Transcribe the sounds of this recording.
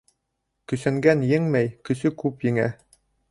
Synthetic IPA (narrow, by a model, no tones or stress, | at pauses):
kɵ̆sæŋɡænjɘŋmæjkɵ̆sɵkʉpjɘ̆ŋæ